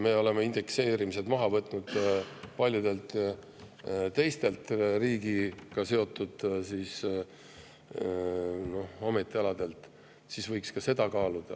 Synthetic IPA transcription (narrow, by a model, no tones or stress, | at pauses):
me̞o̞le̞meind̪̥e̞kse̞ːɾimiset̪mɑɦɑvɤt̪ːˑnud̪̥pɑlʲjud̪̥e̞lt̪ | t̪e̞jst̪e̞lt̪riːɡ̥ikɑse̞o̞t̪ːˑud̪̥siːs | no̞home̞t̪ːˑiɑlɑd̪̥e̞lt̪ˑ | sisvɤjkskɑse̞d̪̥ɑkɑːlud̪̥ɑ